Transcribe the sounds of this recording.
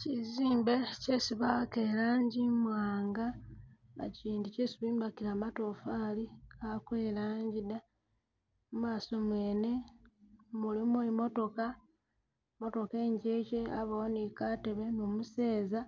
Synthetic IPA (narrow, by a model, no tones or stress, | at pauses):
ciziːmbe̞cesiβakeːɾaːɲɟimwaːŋɡa | βa̰ciːndicesuβiːmbakiɾaːmato̞faliakwe̞ːɾaːɲɟida | mumaːso̞mweːne̞ | mulimwemo̞to̞ka | mo̞to̞ke̞ːɲɟece̞aβoonikate̞βe̞mumuse̞ːza